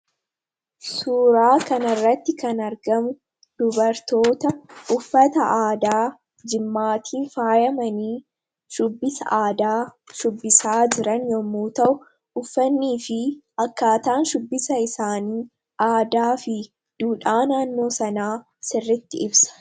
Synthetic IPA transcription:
suːɾaːkɐnɐrːɐt̪ːɪkɐnɐɾɡɐmʊ | d̪̥ʊbɐɾt̪o̞ːt̪ɐʔʊfːɐt̪ɐʔaːd̪aː | d͡ʒɪmːaːt̪ʰiːnfaːjɐmɐniː | ʃʊbːɪsɐ̰ʔaːd̪aː | ʃʊbːɪsaːd͡ʒɪɾɐnjɔmːuːt̪ɐʔʊ | ʊfːɐnːiːfɪ | ɐkːaːt̪aːnʃʊbːɪsɐɪsaːniː | ʔaːd̪aːfɪ | d̪̥uːᶑaːnaːnːo̞ːsɐnaː | sɪrːɪt̪ːɪɪbsɐ̥

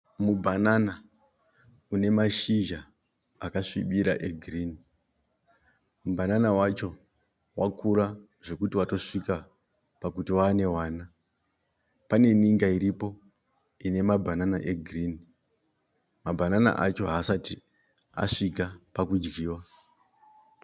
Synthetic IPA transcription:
mubʱanana | une̞maʃiʒaː | kaʂiɓiɾaʔeɡʱriːni | mubʱananawat͡ʃo̞ | wakʰuɾa | ʐe̞kutiwato̞ʂika | pakutiwaːne̞waːna | pane̞niŋɡaiɾipo̞ | ine̞mabʱananaʔeɡʱrini | mabʱanana̰ʔat͡ʃo̞ɦaːsati | a̰ʂikapakud͡ʒɡiːwa

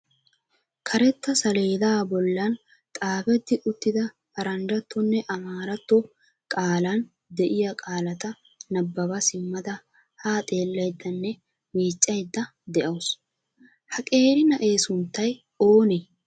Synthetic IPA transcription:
kʰɐɾɛt̪ːɐsɐle̞ːd̪aːbɔlːɐn | t̪ʼaːfɛt̪ːɪʔʊt̪ːɪd̪ɐ | hɐɾɐnd͡ʒɐt̪ʰːɔnːɛʔɐmaːɾɐt̪ːɔ | kʼaːlɐn | d̪ɛʔɪjɐkʼaːlɐt̪ɐ | nɐbːɐbɐsɪmːɐd̪ɐ | haːt̪ʼe̞ːlːɐjd̪ːɐnːɛ | miːt͡ʃʼːɐjd̪ːɐ | d̪ɛʔɐwʊs | hɐkʼe̞ːɾɪnɐʔe̞ːsʊnt̪ːɐj | oːne

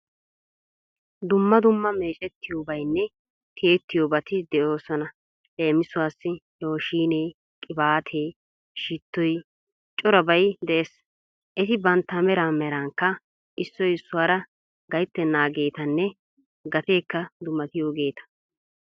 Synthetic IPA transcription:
d̪ʊmːɐd̪ʊmːɐme̞ːt͡ʃʼɛt̪ʰːɪjoːbɐjnːɛ | k̪ʰeːt̪ːɪjoːbɐt̪ɪd̪ɛʔo̞ːsɔnɐ | le̞ːmɪsʊwaːsːɪhɛwɔʃiːneː | kʼɪbaːt̪ʰeː | ʃɪt̪ːɔj | t͡ʃʼɔɾɐbɐjd̪ɛʔes | ʔɛt̪ɪbɐnt̪ːɐmɛɾaːmɛɾɐŋkːɐ | ʔɪsːɔjɪsːʊwaːɾɐ | ɡɐjt̪ːɛnaːɡe̞ːt̪ɐnːɛ | ɡɐt̪e̞ːkːɐd̪ʊmːɐt̪ɪjoːɡe̞ːt̪ɐ̥

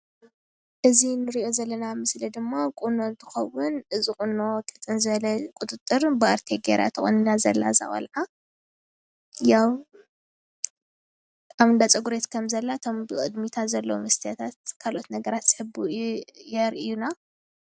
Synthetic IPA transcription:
ʔɨzinɨɾiʔo̞zɐlːɐnamɨslid̪ɨmːakʼuno̞nt̪ʰɨxɐwːʊnɨzikʼunːo̞kʼɐt͡s̪ʼɨnzɨβɐlɐkʼʊt̪ʼɨt̪ʼːɨɾbɨaɾt̪ʰeɡeɾa̰t̪ʰɨxʼunɨnazɐ̰lːa̰zɐ̰χʼɐ̰lʕa | jaw | aβɨnd̪at͡sʼɐɡuɾet̪kʰɐmzɐlːat̪ʰo̞mbɨkʼɨ̰d̪mit̪ʰazɐlːɐwmɨst̪ʰijat̪ʰat̪kʰalʔo̞t̪nɐɡɐɾat̪z̥hɨbujɛɾɨjːuna

